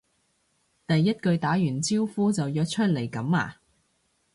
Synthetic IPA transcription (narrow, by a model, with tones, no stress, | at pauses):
t̪ɐ˨jːɐ˥t̚kɵ˧ɥt̪aː˨˥jyː˨˩nt͡siː˥wfuː˥t͡sɐ˨wjœː˧k̚t͡ʃʰɵ˥t̚le˨˩jkɐ˨˧˥ma̰ː˨˧